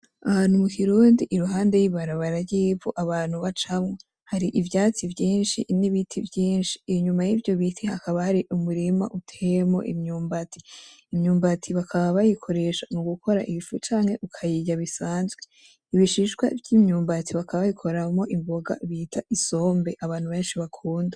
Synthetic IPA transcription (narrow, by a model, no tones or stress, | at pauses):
anumukiɾuːndiʔːɾuɦaːnde̞jiβaɾaβaɾaɟiːvuʔaβaːn̥huβat͡ʃamŋe | haɾiʔivjaːt͡sivjiːnʃḭniβitʰivjiːnʃi̥ːɲumajivjo̞βitʰihakaβahaɾiʔumuɾima̰ʔutʰejemo̞̰ʔḭmɲuːmbati̥ː | mɲuːmbatʰiβakʰaβaβajikʰo̞ɾe̞ʃamuɡukʰo̞ɾa̰ʔiifut͡ʃaːŋ̥he̞ʔukʰajiɟaβisaːnzɡe | iβiʃiʃɡwa̰vɟimɲuːmbatiβakʰaββaβikʰo̞ɾamo̞ʔimboɡa̰βiːtʰaʔiso̞ːmbe̞ʔaβaːn̥huβe̞ːnʃiβakʰuːnda